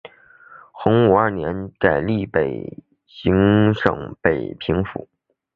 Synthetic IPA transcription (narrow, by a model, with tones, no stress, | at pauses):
xʊ˧˥ŋu˨˩ɐ˞˥˩njɛ˧˥nka˨˩ɪli˥˩pe˨˩ɪ | ɕi˧˥ŋʂɤ̰˨˩ŋpe˨˩ɪpʰi˧˥ŋfṵ˧˩˦